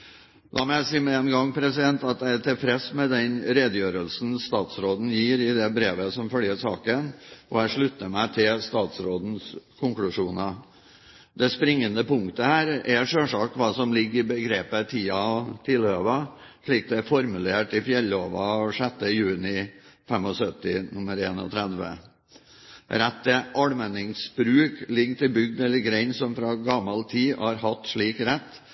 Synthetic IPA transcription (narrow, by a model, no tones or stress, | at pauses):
d̪ʔɑ̰ːmɛæɪsiːmɛɛnɡɑŋpʰɾɛsɪd̪ɛnt̪ɑt̪jæɪæt̪ɪlfɾɛsmɛd̪ɛnɾeːd̪əjøːɾəlsn̩st̪ɑːt̪sɾoːd̪n̩jiːɾɪd̪ɛbɾeːʋəsɔmfœljəɾsɑ̰ːkənʔɔæʂɭʉt̪ːəɾmæɪt̪ʰɪlst̪ɑːt̪sɾoːd̪n̩skʰʊŋklʉʂuːnɑ | d̪ɛspɾɪŋːənd̪əpʊŋkt̪əhæːɾɛʂøːʂɑːk̪̚ʋɑːsɔmlɪɡːəɾbəɡɾeːpət̪ʰiːɑt̪ʰɪløːʋɑʂɭiːk̚d̪ɛæfɔɾmʉleːʈɪfjɛlːoːʋɑʂɛt̪ːəjʉːnɪfɛmɔsœt̪ɪnʊməɾeːnɔ̰t̪ʰɾæd̪ʋə̰ | ɾɛt̪ːɛʔɑɽmɛnɪŋsbɾʉːklɪɡt̪ʰɪbʏɡd̪ɛlːəɾɡɾeɪnsɔmfɾɑːɡɑmːɑlt̪ʰiːɑɾhɑt̪ʂɭiːkɾɛt̪ː